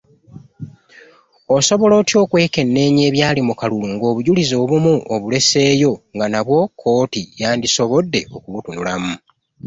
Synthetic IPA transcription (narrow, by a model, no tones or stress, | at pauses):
o̞so̞βo̞lo̞ːtjo̞ːkwe̞ːke̞nːe̞ːɲe̞ːβjaːlimukaluluŋɡo̞ːβuɟulizo̞ːβumuʔoβule̞se̞ːjo̞ŋɡanaβwo̞kʰːo̞ːtijaːndiso̞βo̞dːe̞ʔo̞̰kuβutunulamu